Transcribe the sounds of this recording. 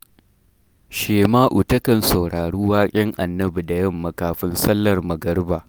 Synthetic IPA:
ʃeː˨maː˦ʔu˨tɐ˦kɐ˨nsɐ˨wɽaː˨ɽuː˦waː˦kʲʼɛ˦ŋʔa˨nːɐ˦bu˨da˨jɐ˦mːɐ˨kaː˨ɸɪ˦nsɐ˦lːɐ˨rmɐ˨ɡɐ˦rbaː˨ʔ

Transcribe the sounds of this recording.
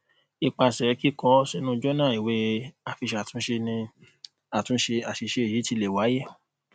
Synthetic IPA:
i˧˨k͡pa˧˨sɛ˨˧˦ki˦kɔ˧˦sɛ˧nũ˦˧d͡ʒɔ˦nã˦˨i˨we˨˦a˨fi˧ʃa˨tũ˨˦ʃe˧nĩ˧ | a˨tũ˨˦ʃe˧a˨ʃi˧ʃe˧e˨je˨˦ti˧le˨wa˨˦je˦˨

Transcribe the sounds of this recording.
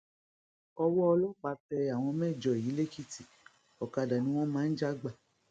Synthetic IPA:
ɔ˧wɔ˦ɔ˧lɔ˦k͡pa˧tɛ˧a˨w̃ɔ̃˧mɛ̃˦˨d͡ʒɔ˨ji˨˦le˦ki˦ti˨ | ɔ˨ka˧da˨nĩ˧˦w̃ɔ̃˦mãː˨˦n̩˦d͡ʒa˦ɡ͡ba˨

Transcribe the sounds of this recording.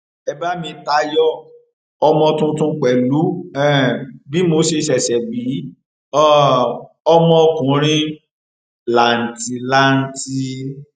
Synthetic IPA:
ɛ˧˦ba˦mĩ˧ta˧˦jɔ˦ | ɔ˧mɔ̃˧tũ˦tũ˦k͡pɛ˨lu˨˦ɛ˦˨bi˨˦mo˧˦ʃe˧ʃɛ˨ʃɛ˨bi˨˦ | ɔ˦˨ | ɔ˧mɔ̃˧ɔ˧kũ˨ɾ̃ĩ˦ | la˨n̩˨ti˧la˦n̩˦˧ti˧

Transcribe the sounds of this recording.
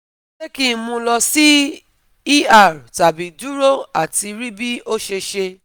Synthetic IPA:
e˦ki˦mũ˧˦lɔ˧si˦ | i˦a˦˨ɾta˨bi˨du˦ɾo˦a˨ti˧ɾi˦bi˦o˦ʃe˧ʃe˧

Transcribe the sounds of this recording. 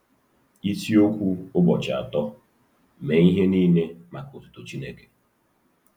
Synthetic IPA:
i˦ti˦o˦kʷu˦ʊ˦bɔ˨t͡ʃa̰˨tɔ˦ | me˨i˦ɦe˦niː˦ne˦ma˨kʊ˨tʊ̥˦to˨t͡ʃi˦ne˦ke̥˨

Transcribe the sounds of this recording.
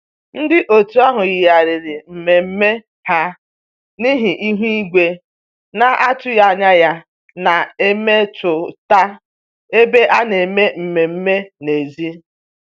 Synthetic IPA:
n̩˦dɪ˦ʔo˨tu˦a˦ɦʊ˨ɣɪ˨ja˨ɾɪ˨ɾɪ˨m̩˨me˨m̩˦me˦ | ha˦ | ni˦ɦi˨ʔi˦ɦʷu˦i˦ɡʷe˦ | na˨ʔa˦tʊ˦ja˦˨ɲa˦ja˦ | na˨e˦me˦t͡ʃʊ˨ta˦ | e˦be˦ʔa˦ne˨me˦m̩˨me˨m̩˦me˦ne˨zi˦

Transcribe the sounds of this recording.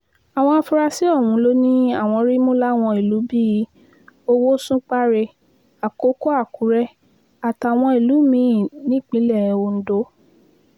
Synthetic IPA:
a˨w̃ɔ̃˧a˧fu˧ɾa˧si˦ɔ˦˨wũ˨˦lo˦nĩ˦a˦˨w̃ɔ̃˧ɾi˦mo˦la˦w̃ɔ̃˧i˨lu˨˦bi˦ji˨˦ | o˧wo˦sũ˦k͡pa˦ɾe˧ | a˨ko˨˦ko˦a˦˨ku˨˦ɾɛ˦ | a˨ta˨w̃ɔ̃˧i˨lu˨˦mĩ˦˨nĩ˦˨k͡pĩ˨˦lɛ˦˨o˧n̩˦do˦

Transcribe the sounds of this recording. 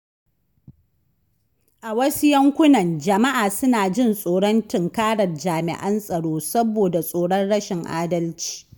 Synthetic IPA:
ʔa˨wɐ˦su˦jɐ˦ŋkʷʊ˦nɐ˨nd͡ʒɐ˨ma˦ʔaː˨sʊ˦naː˨d͡ʒɪ˦˨nsʼoː˨ɽɔ˦ntɪ˨ŋkaː˦ɽɐ˨rd͡ʒaː˨mɪ̰˨ʔɐ˦nsʼɐ˨ɽoː˦sɐ˦boː˨da˨sʼoː˨ɽɔ˦nɽɐ˦ʃɪ˨ŋʔa̰ː˦dɐ˦lt͡ʃi̥ː˨

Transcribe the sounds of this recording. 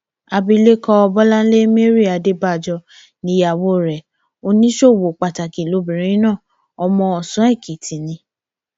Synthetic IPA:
a˧bi˧le˦kɔ˦ɔ˧bɔ˦lã˦n̩˦le˦me˦ɾi˦˨a˨de˦ba˦˨d͡ʒɔ˧ | nĩ˧˦ja˨wo˦˨ɾɛ˨ | o˧nĩ˦ʃo˦˨wo˨k͡pa˨ta˨ki˨lo˨˧˦bĩ˨ɾĩ˨˦ĩ˦nãː˦˨ | ɔ˧mɔ̃˧ɔ˨sũ˨˦ɛ˦˨kʰe˨tʰĩ˨nĩ˧˦

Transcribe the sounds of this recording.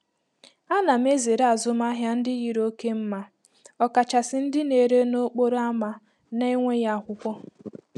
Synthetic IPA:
a˦na˨m̩˦e˦ze˨ɾa˨zʊ˦m˦a˦ɦja˦n̩˦dɪ˦ɣi˨ɾo˦ke˦m̩˦ma˦ | ɔ˨ka˨t͡ʃa˨sɪ˦n̩˦dɪ˦ne˨ɾe˦no˦k͡po˦ɾa˦ma˨ | na˦i˦ŋʷe˦ja˦˨kʷʊ˦kʷɔ˦

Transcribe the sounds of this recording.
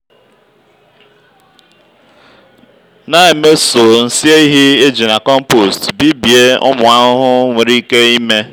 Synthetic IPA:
na˦e˨me˦so˨n̩˦si˦e˦i˦ɦi˦e˦d͡ʒi˨na˨kɔ˦m̩˦po˨stbi˦bje˦ʊ̰˦mʊ˨a˦ʊ˦ɦʊ˦ŋʷe˨ɾi˦ke˦i˦me˦

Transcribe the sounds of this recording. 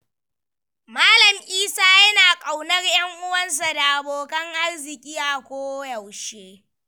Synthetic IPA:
maː˦lɐ˨mʔiː˦saː˦jɐ˦naː˨kʼa˨wnɐ˦rjɐ˦ŋʔʊ˦wɐ˦ns̬a˨da˨ʔa˨boː˨kɐ˦ŋʔa˦rzɪ˨kʲʼiː˦ʔa˨kʷoː˦jɐ˨wʃeː˦

